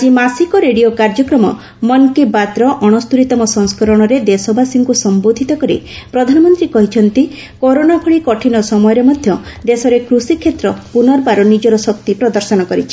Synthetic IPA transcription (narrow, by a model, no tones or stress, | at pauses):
ad͡ʒimasikɔɾeɽiokaɾd͡ʒɔkɾɔmɔ̰ | mɔnkebat̪ɾɔʔɔɽ̃ɔst̪uɾit̪ɔmɔsɔŋskɔɾɔɽ̃ɔɾed̪esɔbasiŋkusɔmbod̪ʱit̪ɔkɔɾḭ | pɾɔd̪ʱanɔmɔnt̪ɾikɔɦit͡ʃʰɔnt̪i | koɾonapʰɔɭikɔʈʰinɔsɔmɔjɔɾemɔd̪ʱjɔd̪esɔɾekɾusikʰːet̪ɾɔpunɔɾbaɾɔnid͡ʒɔɾɔsɔkt̪ipɾɔd̪ɔɾsɔnɔkɔɾit͡ʃʰi̥